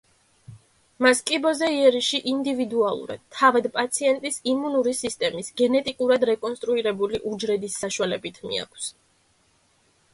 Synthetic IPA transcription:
maskʼibɔzɛiɛɾiʃiʔind̪ivid̪ualˠṵɾa̰d̪̥̚t̪ʰːavad̪pʼat̪sʰiɛnt̪ʼisimunuɾisist̪ʼɛmisɡɛnɛt̪ʼikʼuɾad̪ɾɛkʼɔnst̪ʼɾuiɾɛbuliʔud͡ʒɾɛd̪isːaʃwalɛbit̪ʰmḭa̰kʰs

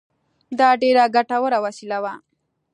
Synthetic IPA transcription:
d̪ɑɖeɾaɡaʈawəɾawasilawa

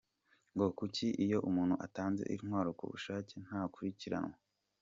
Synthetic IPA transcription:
ŋɡo̞kuciʔijo̞ʔumuːn̥huʔataːnzḛʔiɾnwaːɾokṵβṵʃaːcen̥haːkuɾiciɾa̰nwa

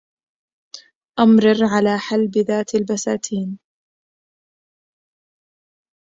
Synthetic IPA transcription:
ʔamɾɑɾʕalaːħalːbɪðaːt̪albasaːt̪ʰiːn

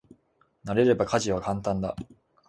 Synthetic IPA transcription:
naɾe̞ɾe̞bakaʑiβakãnt̪ãnd̪a

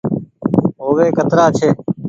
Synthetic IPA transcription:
ɦoːʋeːkət̪ɾaːt͡ʃʰeː

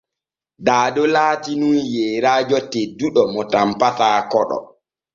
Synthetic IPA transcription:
daːdɔlaːtinunjɛːɾaːd͡ʒɔtɛduɗɔmɔtampataːkɔɗɔ̰

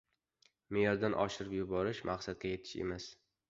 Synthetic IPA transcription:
mejɒɾd̪anʔɒ̰ʃɪɾɪpjʊbɒɾɪʃmʔaqsad̪̚ɡʲaje̞t̪ʰɪ̥ʃḛmas

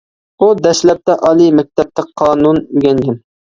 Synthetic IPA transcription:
ud̪ɛʃlɛp̚t̪ɛʔɑlˠimɛk̚ʲt̪ʰɛp̚t̪ɛqʰɑːnunɡʲɛnd͡ʒɪm

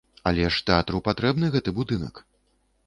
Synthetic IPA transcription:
alʲɛʂt̪ɛat̪ɾupat̪ɾɛbnɨɣɛt̪ɨbud̪ɨnɐ̰k

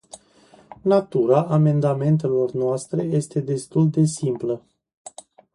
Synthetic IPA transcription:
nat̪uɾaʔame̞nd̪ame̞nt̪̬e̞lo̞rnoast̪ɾe̞je̞st̪e̞d̪e̞st̪uld̪e̞simplə

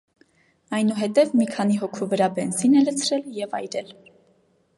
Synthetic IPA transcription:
ɑjnuɦɛt̪ɛvmikʰɑniɦɔkʰuvəɾɑbɛnzinɛlət͡sʰɾɛljɛvɑ̰jɾɛl

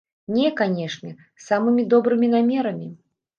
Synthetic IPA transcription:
nʲɛkanʲɛʂnʲɛ | samɨmʲid̪ɔbɾɨmʲinamʲɛɾɐmʲi

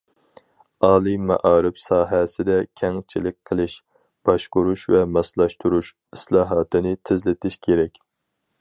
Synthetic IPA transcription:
ɑːlˠɨmɛ̰ʔɑːɾɪpsɑːɦɛsɪd̪ɛkʲʰɛŋt͡ʃʰilɪk̚ʲqʰːəlˠɪʃ | b̥ɑʃqʊɾuʃvɛmɑslˠɑʃt̪uɾuʃ | islˠɑːɦɑːt̪ɨnɨt̪ʰɪzlɪt̪ʰɪʃkʲʰeɾɛkʲ

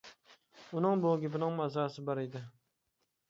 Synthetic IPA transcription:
ʊnɨŋboɡʲɪpɪnɪŋmɑzɑsɪbɑɾed̪ɪ

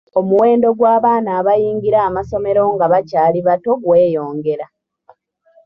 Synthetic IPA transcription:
o̞muwe̞ːndo̞ɡwaːβaːnaːβajiːŋɡiɾaːmaso̞me̞ɾo̞ŋɡaβacaːliβato̞ɡwe̞ːjo̞ːŋɡe̞ɾa

